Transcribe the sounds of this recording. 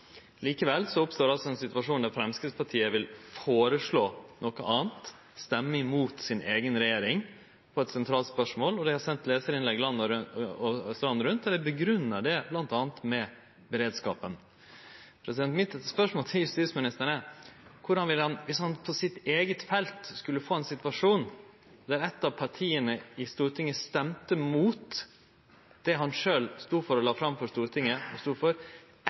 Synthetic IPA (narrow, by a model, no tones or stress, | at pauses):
liːkəʋɛlːsɔʊpst̪oːɾɑlsɔɛnsɪt̪ʉɑʂuːnd̪æɾfɾɛmskɪspʰɑʈʰiːəʋɪlfoːɾəʂɭoːnʔɔkəʔɑːnt̪ | st̪ɛmːəɪmuːt̪sɪnʔeːɡənɾɛjeːɾɪŋ | pʰɔɛt̪sɛnt̪ʰɾɑːlt̪spœʂmoːlɔd̪ɛhɑɾsɛnt̪leːsəɾɪnlɛɡlɑnɔst̪ɾɑnːɾʉnt̪ɛɾɛbəɡɾʉnːəɖɛblɑnt̪ɑːnt̪mɛ | bəɾeːd̪skɑ̰ːpən | pʰɾɛsɪd̪ɛnt̪mɪt̪ːspœʂmoːlt̪ʰɪjʉst̪iːsmɪnɪst̪əɳəkʰʊɖɑnʋɪlːəhɑnʋɪshɑnpʰɔsɪt̪eːɡət̪fɛlt̪skʉlːəfoːɛnsɪt̪ʋɑʂuːn | d̪æɾɛt̪ːɑʋpʰɑʈʰiːənəɪst̪uːɾt̪ʰɪŋːəst̪ɛmt̪əmuːt̪ | d̪̥ɛɦɑnʂøːlst̪uːfɔɾɔlɑːfɾɑmfɔʂt̪uːɾt̪ʰɪŋːəɔst̪uːfɔɾ